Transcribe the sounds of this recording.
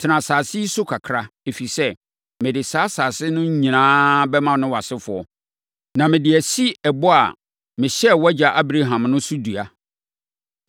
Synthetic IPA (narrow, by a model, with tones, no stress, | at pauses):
tʰɪ˨nã˨saː˨sɪ˦i˦sʊ˦kʰa˨kʰɾa˦e˨fi˨sɛ˦ | mɪ̃˨dɪ˨saː˦saː˨sɪ˦nʊ̃˦ɲ˦ɲĩ˨nãː˦bɛ˦mã˦nʊ̃˦wa˨sɪ˦fʊ˨ɔ˨ | nã˨mɪ̃˨dɪ˨æ˨si˦ɛ˨bɔ˦a̰˨ | mɪ̃˨ɕɛ˦wɔɛ˦d͡ʑa˨ʔa˦bɾa˦ɦã˨mnʊ̃˦sʊ˦du˨a˨